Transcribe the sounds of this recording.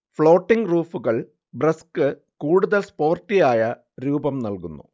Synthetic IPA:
fɭo̞ːʈːiŋɡruːfuɣɐɭ | brɐskɨ | kuːɽuðɐlspo̞ːrtːijaːjɐ | ɾuːbɐmnɐlkunːu

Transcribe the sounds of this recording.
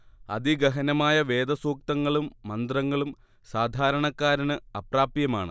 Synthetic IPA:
ɐ̰d̪iɡɐɦɐnɐmaːjɐʋe̞ːd̪ɐsuːk̚t̪ɐŋːɐɭumːɐnd̪rɐŋːɐɭum | saːd̪ʱaːɾɐɳɐkːaːɾɐnɨɐpraːpjɐma̰ːɳɨ̰

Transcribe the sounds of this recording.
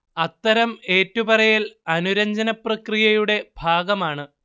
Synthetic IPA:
ɐt̪ːɐɾɐme̞ːtːubɐrɐjilɐnuɾɐɲd͡ʑɐnɐprɐkrijɐjuɽe̞bʱaːɡɐmaːɳɨ

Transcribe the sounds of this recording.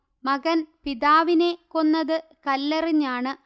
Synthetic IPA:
mɐɣɐnpiðaːʋine̞ko̞nːɐðɨkɐlːɐriɲːaːɳɨ

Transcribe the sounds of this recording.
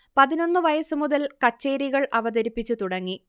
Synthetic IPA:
pɐðino̞nːɨʋɐjɐsɨmuðɐlkɐt͡ɕːe̞ːɾiɣɐɭʔɐʋɐd̪ɐɾipːit͡ɕːut̪uɽɐŋːi

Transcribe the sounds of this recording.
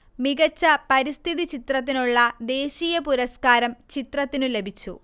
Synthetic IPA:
miɣɐt͡ɕːɐpɐɾist̪ʰiðit͡ɕit̪rɐt̪̬ːinuɭːɐd̪e̞ːɕiːjɐpuɾɐskaːɾɐmt͡ɕit̪rɐt̪ːinule̞bʱit͡ɕːṵ

